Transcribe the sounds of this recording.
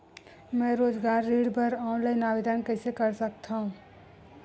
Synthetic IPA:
mɛ̃ːɾoːd͡ʒɡaːɾːiːɽbʱəɾaːnlaɪnaːʋed̪ʱənkɛːsekəɾsək̚t̪aɦũː

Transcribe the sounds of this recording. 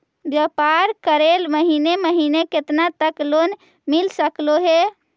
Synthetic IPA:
bjəpaɾkəɾelməɦineməɦineket̪nat̪əklon | milsəkloɦe

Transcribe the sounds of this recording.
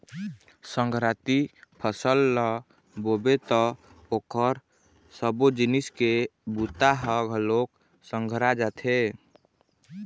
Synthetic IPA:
səŋɡʱɾat̪ipʰəsəlːə | bobet̪ɔ | okəɾ | səbod͡ʒiniskebut̪aɦəɡʱəlok | sə̃ŋɡʱɾad͡ʒat̪ʰe

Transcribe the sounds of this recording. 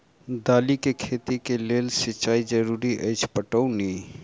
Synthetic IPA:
d̪aːlikekʰet̪ikeleːlsɪt͡ʃaːid͡ʒəɾuːɾiʔəjt͡ʃʰpəʈəuni

